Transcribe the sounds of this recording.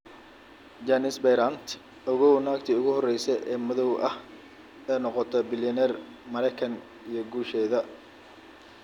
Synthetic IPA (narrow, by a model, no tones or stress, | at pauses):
d͡ʒɐnɪsbɛjɾɐnt̪ʰ | ɔɣɔwnaːkt̪ʰiːʊɣʊhɔrɛjsɛʔɛːmɐðɔwʔɐh | ɛːnɔqɔt̪ʰɔbɪlɐnɛr | mɐɾɛjkʰɐn | ijɞɡuːʃɛːðɐ